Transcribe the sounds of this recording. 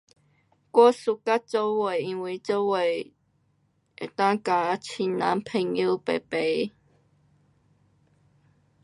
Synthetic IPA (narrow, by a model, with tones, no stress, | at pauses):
kwɔ˦su˧ka˦˥t̚t͡so˦we˨˩i˧˦ŋwi˧˩t͡so˦we˨˩ | e˨˩t̪a˦ŋka˧˦t͡ɕʰi˧nna˨˦npʰe˨˧˩ŋi˦pe˨˩pe˨˧˦